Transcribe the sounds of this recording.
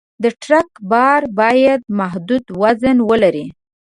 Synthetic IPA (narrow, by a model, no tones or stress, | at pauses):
d̪əʈɾakbɑɾbɑjad̪̚maɦd̪ud̪wazənwəlaɾi